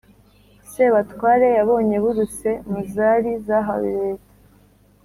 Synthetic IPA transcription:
seβatwaːɾe̞jaβo̞ːɲe̞βuɾuse̞muzaɾizaɦa̰wḭɾeːtḁ

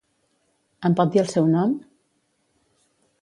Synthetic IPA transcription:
əmpɔt̪̚d̪iəlˠsɛwnɔm

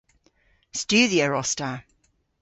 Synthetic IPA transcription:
st͡ʃʉːðiəɹɔstə

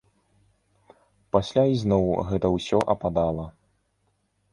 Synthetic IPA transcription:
pasʲlʲaiznɔwɣɛt̪ɐwsʲɔʔɐpad̪alˠɐ

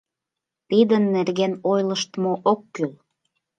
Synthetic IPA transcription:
t̪id̪ənːerɣenojləʃt̪moʔokːyl

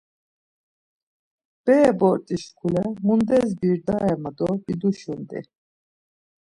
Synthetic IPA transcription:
b̥ɛːbɔɾt̪ʼiʃkʰulɛmund̪ɛzbiɾd̪aɛmad̪ɔb̥id̪uʃund̪ḭ

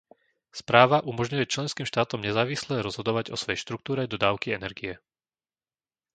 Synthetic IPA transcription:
spɾaːʋaʔumɔʒɲujɛt͡ʃlɛnskiːmʃt̪aːt̪ɔmɲɛzaːʋislɛɾɔzɦɔd̪ɔʋaɟɔ̰sʋɔɛjʃt̪ɾuk̚t̪uːɾɛd̪ɔd̪aːʊkiɛnɛɾɡijɛ

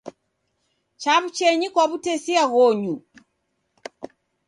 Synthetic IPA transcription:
t͡ʃaβ̩t͡ʃɛɲikwaβutɛsiaɣɔɲu

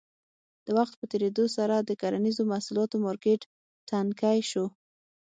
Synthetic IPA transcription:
d̪̥əwaxt̪̚pət̪eɾed̪osaɾad̪əkaɾanizomahsulɑt̪omɑɾkeʈ | tankajʃo

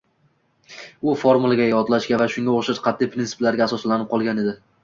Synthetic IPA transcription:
ʊfoɾmulˠaɡʲajɒt̪laʃɡʲavaʃʊŋɡʲaoʃɪɾqʰɑt̪ʰːijpʰɾʲint̪ɪ̥plaɾɡʲaːsɒslanɪp̚qʰɒlˠɡʲaned̪ɪ

